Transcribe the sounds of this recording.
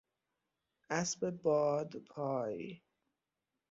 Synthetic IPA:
ʔæsbebɒːd̪pʰɒːji

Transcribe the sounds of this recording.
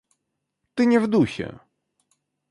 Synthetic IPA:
t̪ɨɲɛvd̪uɕɛ̰

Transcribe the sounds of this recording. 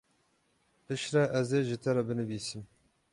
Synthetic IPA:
pʰɨʃɾɛʔɛzeʒɪt̪ʰɛɾɛbɨnɨbiːsɨm

